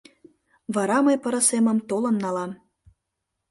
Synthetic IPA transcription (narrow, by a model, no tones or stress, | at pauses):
βɑɾɑmɤjpɤ̆ɾɤ̆semə̆mt̪olɤ̆nːɑlɑm